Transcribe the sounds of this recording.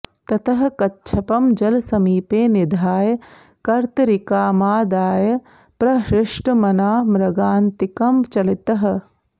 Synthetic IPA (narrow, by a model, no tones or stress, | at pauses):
t̪ɐt̪ɐɦɐ̆kɐtːʃʰɐpɐmd͡ʒɐlsɐmiːpeːnid̪ʱaːjɐ | kɐɾt̪ɐɾikaːmaːd̪aːjɐ | pɾɐʃɾɪʂʈɐmɐnaːmɾɐɡaːnt̪ikɐmt͡ʃɐlit̪ɐɦɐ̆